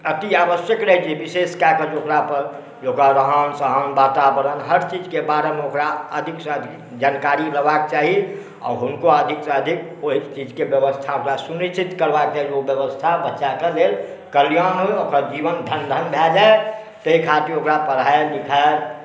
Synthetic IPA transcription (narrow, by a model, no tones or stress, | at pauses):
ət̪iaːʋəsjəkɾəɦit͡ʃibiseskakəd͡ʒokɾapəɾ | jokaɾəɦənsəɦənbaːt̪abəɾənɦəɾt͡ʃid͡ʒkebaɾemeokɾaəd̪ʱikseəd̪ | d͡ʒaːnkaɾiɾəbak̚t͡ʃaɦi | ɔ̰ːɾɦʊnkoəd̪ʱikseəd̪ʱik̚oɦit͡ʃid͡ʒkebjəʋəst̪ʰaokɾasunit͡ʃʰit̪kəɾbak̚t͡ʃaːɦiobjəʋəst̪ʰabətːʃakelel | kəlijanɦoeokɾad͡ʒiʋənd̪ʱənd̪ʱənbʱɛd͡ʒae | t̪əikʰat̪iokɾapəɾaelikʰae